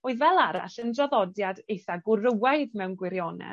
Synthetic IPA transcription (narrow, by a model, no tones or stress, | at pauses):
oɨðvɛlˠaɾa̰ɬəndrɔðɔdjadejθaɡʊrəwajðmɛwnɡwɪɾjɔnɛ̰